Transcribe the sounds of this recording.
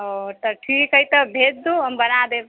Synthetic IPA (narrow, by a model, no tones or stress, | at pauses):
ɦot̪əʈʰikəjt̪əbʱet̪̚d̪uɦəmbənad̪el